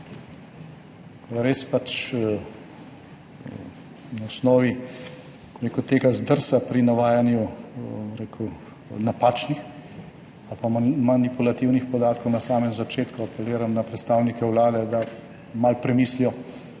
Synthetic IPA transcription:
kɔɾeːspat͡ʃ | naɔsnɔːʋi | ɡɾeːkut̪eːɡazd̪əɾsapɾinaʋaːjanjubɾeːkʰu | napaːt͡ʃnix | alpamanipulat̪iwnixpɔd̪aːt̪kɔwnasaːmɛmzat͡ʃeːt̪kuapɛliːɾamnapɾɛt̪st̪aːwnikɛwlaːd̪ɛd̪a | malpɾɛmiːslijɔ

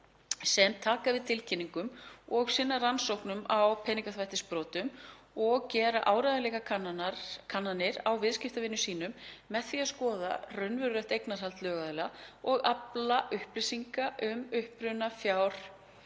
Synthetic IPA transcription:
sɛmt̪ʰaːkavɪðt̪ʰɪlcʰɪnːiŋkʏmɔɣsɪnːaransowknʏmawpʰɛːniŋkaθvajht̪ɪspɾɔːt̪ʏm | ɔɣcɛːɾaʔaːwɾajðalɛɣa | kʰanːanɪɾawvɪðscɪft̪avɪnːʏsiːnʏmːɛðθiaskɔːða̰rœɥnvʏɾɾajht̪ejknaɾ̥halt̪lœːɣaðlɛaɔɣaplaʔʏhplɪsiŋkaʔʏmʏhpɾʏnafjawɾ̥

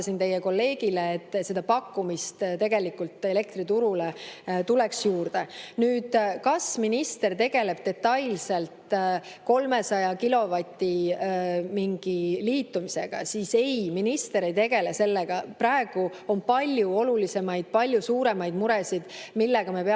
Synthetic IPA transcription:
ɑsint̪e̞jːeko̞lːe̞ːɡ̥ileːt̪ːse̞d̪̥ɑpɑkːumist̪t̪e̞ɡe̞likult̪e̞le̞k̚t̪rit̪uɾulet̪uleksjuːrd̪e̞nyːd̪̥kɑsminist̪e̞rt̪e̞ɡ̥e̞le̞b̥̚t̪e̞t̪ːɑjlse̞lt̪ko̞lme̞sɑjɑkilo̞vɑt̪ʲːi | miŋɡ̥iliːt̪ːumise̞ɡ̥ɑ̰siːse̞jminist̪e̞ɾe̞jt̪e̞ɡ̥e̞lese̞lːeɡ̥ɑpræe̞ɡ̥u | o̞npɑlʲjuo̞lulise̞mɑjd̪̥̚pɑlʲjusuːɾe̞mɑjd̪̥muɾɛsid̪̥milːɛɡ̥ɑmepe

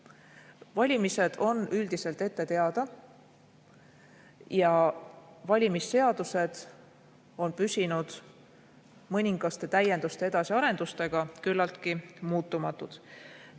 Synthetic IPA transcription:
vɑlʲimise̞d̪̥o̞nyld̪̥ise̞lt̪e̞t̪ːe̞t̪e̞ɑd̪̥ɑ | jɑ | vɑlʲimisːe̞ɑd̪̥use̞d̪̥ | o̞npysʲinud̪̥ | mɤnʲiŋɡ̥ɑst̪e̞t̪æje̞nd̪ust̪e̞e̞d̪̥ɑsiɑɾe̞nd̪̥ust̪e̞ɡ̥ɑkylːɑlt̪kimuːt̪ːˑumɑt̪ːˑud̪̥

